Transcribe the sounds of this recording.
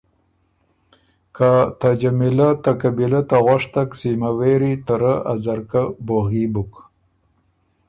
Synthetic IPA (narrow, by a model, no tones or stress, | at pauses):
kat̪ad͡ʒamɪlat̪akabilat̪aɣaʂt̪aksimaweɾit̪aɾaazaɾkaboɣibuk